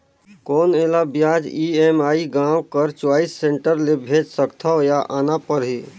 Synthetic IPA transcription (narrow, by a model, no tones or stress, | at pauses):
kɔːneːlabjaːd͡ʒiemaːiɡãːwkəɾt͡ʃwaːisːẽːɳʈəɾlebʱeːd͡ʒsəkt̪ʰaojaʔaːnapəɾɦi